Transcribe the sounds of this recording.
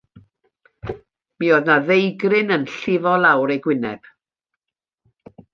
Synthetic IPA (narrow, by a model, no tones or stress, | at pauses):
mioːðnaðejɡrɪnənɬɪvɔlˠawɾejɡwɪnɛ̰b̥